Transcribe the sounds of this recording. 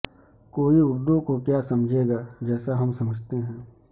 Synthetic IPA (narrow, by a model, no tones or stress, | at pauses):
koːiʊɾd̪õkokjaːsɐmd͡ʒʱeːɡaːd͡ʒɛːsaɦɐmsɐməd͡ʒʱt̪eɦɛ̃ː